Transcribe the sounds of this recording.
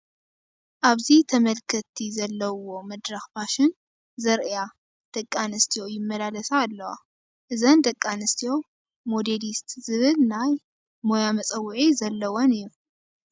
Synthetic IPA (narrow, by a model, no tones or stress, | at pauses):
ʔaβzit̪ʰɐmɐlkʰɐt̪ʰːizɐlːɐwo̞mɐd̪ɾɐxbaʃɪn | zɐɾɨja | d̪̥ɐkʼːanɨst̪ʰijo̞jɪmːɐlalɐsaːlːɐwa̰ | ʔɨzɐnd̪ɐkʼːanɨst̪ʰijo̞ | mo̞d̪elist̪zɨβɨlnaj | mo̞jamɐt͡sʼɐwːʊʕizɐlːɐwonɨjːu